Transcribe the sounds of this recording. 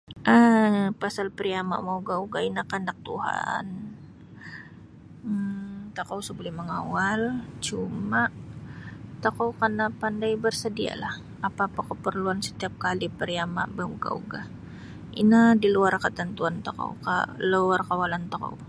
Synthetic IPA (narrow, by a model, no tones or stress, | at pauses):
ʔəpasalpəɾiama̰ʔmauɡauɡainakandak̚t̪uɦa̰n | t̪akawsəbolɛhməŋawalt͡ʃumaʔ | t̪əkawkarnapandajbərsədia̰lah | apaːpakəpərluansə̥t̪iap̚kalipəɾiama̰ʔbauɡa̰ṵɡa | ḭnadiluarkət̪ənt̪uant̪əko̰wka̰luarkawalant̪ako̰w